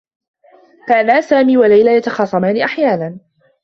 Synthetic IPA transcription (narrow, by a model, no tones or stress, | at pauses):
kaːnaːsaːmiːwalajlajat̪ɑxɑːsˤɑmaːnɪʔaħjaːnan